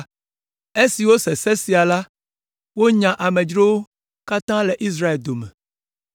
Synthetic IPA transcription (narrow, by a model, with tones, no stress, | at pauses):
e˦si˨wo˦se˨se˦si˨a˨la˦ | wo˦ɲã˨ʔa˨mẽ˨d͡ʒɾo˦wo˦ | ka˦t̪ã˦le˨ʔi˦s̬ɾa˦e˨ld̪o˨mɛ̰̃˨